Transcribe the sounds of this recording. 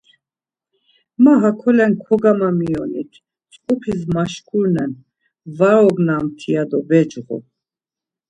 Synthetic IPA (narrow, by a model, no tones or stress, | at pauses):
maɦakʰɔlɛnkʰɔɡamamijɔnit̪ʰ | t͡sʼkʼupʰismaʃkʰʼuɾnɛn | vaɾɔɡnamt̪ʰijad̪ɔbɛd͡ʒʁṵ